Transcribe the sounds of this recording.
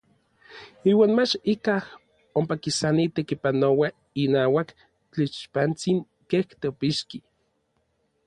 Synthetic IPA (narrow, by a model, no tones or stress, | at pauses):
iːwaːnmat͡ʃikah | ompakisanit̪ekipanowa | inaːwak | t͡ɬit͡ʃpant͡siŋ | keht̪eopiʃki